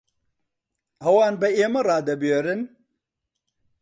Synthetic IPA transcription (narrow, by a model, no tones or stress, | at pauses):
ɐwaːnbɐemɐɾaːd̪ɐboɾɨn